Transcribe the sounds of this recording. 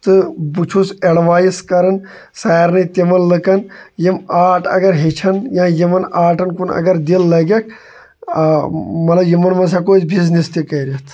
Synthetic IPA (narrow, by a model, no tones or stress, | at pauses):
t̪ɨbut͡ʃʰuseɽʋaːjiskɐɾɐn | saːɾnɨt̪imɐnlɨkɐnjimaːʈɐ̰ɡɐɾɦet͡ʃʰɐnjãːjimɐnaːʈɐnkunɐ̰ɡɐɾd̪ilːɐɡɐkʰ | mɐt̪lɐbjimɐnmɐns̬akoːt̪biznist̪ikɐɾit̪ʰ